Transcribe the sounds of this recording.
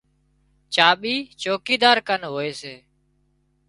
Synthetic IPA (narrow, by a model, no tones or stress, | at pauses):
t͡ʃaːɓiːt͡ʃoːkiːd̪aːɾkənɦoːeːseː